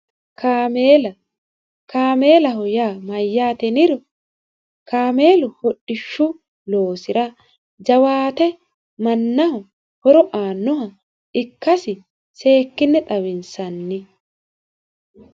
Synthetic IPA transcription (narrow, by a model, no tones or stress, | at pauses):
kʰameːlɐ | kaːme̞ːlɐɦɔjaːmɐjːaːt̪ɛnɪɾɔ | kaːme̞ːlɔhɔɗːɪʃːʊ | loːsɪɾɐ | d͡ʒɐwaːt̪ɛ | mɐnːɐhɔ | hɔɾɔʔaːnːɔɦɐ | ɪkːɐsɪ | se̞ːkːɪnːɛt̪ʼɐwɪnsɐnːɪ